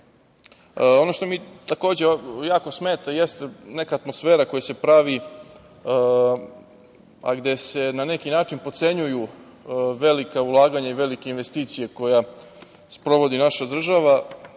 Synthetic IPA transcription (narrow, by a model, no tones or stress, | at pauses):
o̞noʃt̪o̞mit̪ako̞ːd͡ʑejaːko̞smeːt̪aje̞st̪ene̞kaːt̪mo̞sfeːɾako̞jase̞pɾaʋi | a̰ɡd̪e̞se̞nane̞kinaːt͡ʃinpo̞t̪se̞ɲuju | ʋe̞likaulˠaːɡaɲaiʋe̞like̞inʋe̞st̪iːt̪sije̞ko̞ja | spɾo̞ʋo̞d̪inaʃad̪r̩ʒaʋa